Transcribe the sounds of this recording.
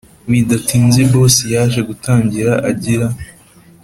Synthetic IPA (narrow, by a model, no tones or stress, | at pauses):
βidatiːnzebo̞ːsejaːʃe̞ɡutaːɲɟiɾaʔaɟiɾa